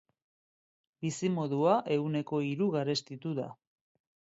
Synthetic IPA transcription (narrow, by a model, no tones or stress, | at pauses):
bisimo̞ðuaʔe̞une̞ko̞iɾuɣaɾe̞st̪it̪uða̰